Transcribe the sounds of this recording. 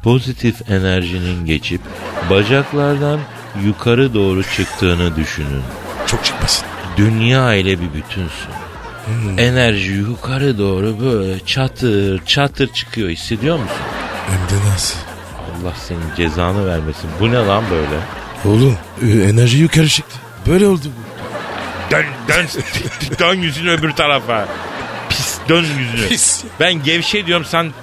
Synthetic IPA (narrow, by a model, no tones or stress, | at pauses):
pʰo̞zit̪ʰife̞næɾʒininɟe̞t͡ʃʰip | bad͡ʒaklˠaɾd̪an | jukʰaɾɯd̪o̞ːɾut͡ʃʰɯkt̪ʰɯːnɯd̪yʃyny̰n | t͡ʃʰok̚t͡ʃʰɯ̥k̚masi̥nd̪ynjaːilʲɛbibyt̪ʰynsy̰n | ɛe̞næɾʒijukʰaɾɯd̪o̞ːɾubølʲɛt͡ʃʰat̪ʰɯɾt͡ʃʰat̪ʰɯɾt͡ʃʰɯ̥kʰɯjo̞hisːe̞d̪ijo̞ɾmusṵnɛmd̪ɛnasɯ | a̰lˠːahse̞nind͡ʒe̞zaːnɯvæɾme̞sinbunalˠanbø̞jlʲɛ | olˠu | enæɾʒijykʰaɾɯʃɛc̚t̪ʲi | bøjlʲɛolˠd̪ubud̪ønd̪nsd̪ønjyzynyøbyɾt̪ʰaɾafapʰisd̪ønjyzynys | bænɟɛvʃed̪ijo̞ɾmsan